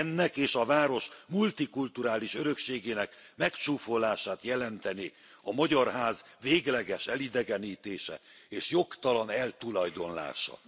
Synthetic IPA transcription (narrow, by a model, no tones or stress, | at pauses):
nːɛkeːʃɒvaːɾo̞ʃmult̪ikult̪uɾaːliʃøɾø̞kʃeːɡeːnɛkmɛkt͡ʃuːfo̞laːʃaːt̪jɛlɛnt̪ɛneː | ɒmɒɟɒrɦaːz | veːɡlɛɡɛʃɛlid̪ɛɡɛniːt̪eːʃɛ̰eːʃjo̞kt̪ɒlɒnɛlt̪ulɒjd̪o̞nla̰ːʃɒ̰